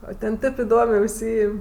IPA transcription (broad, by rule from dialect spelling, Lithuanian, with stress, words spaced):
oː tʲɛn ˈtʲeːp ɪˈdoːmʲeː ʊʃʲˈsʲiːɪmʲ